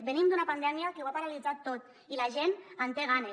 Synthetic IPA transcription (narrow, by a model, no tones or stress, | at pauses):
benimd̪unapand̪ɛmiakewapaɾalid͡zat̪ːot̪ | ilaʒenant̪eɣ̞ane